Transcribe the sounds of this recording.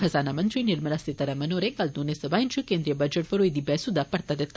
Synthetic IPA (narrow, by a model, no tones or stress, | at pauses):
hɐzaːnamɐnt̪ɾiniɾmɐlasit̪ɐɾɐmɐnoːɾekɐld̪unesɐbaːjint͡ʃʰukeːnd̪ɾijɐbɐd͡ʒeʈʋɐɾuid̪ibɛːsud̪ɐpɐɽt̪ɐd̪et̪ː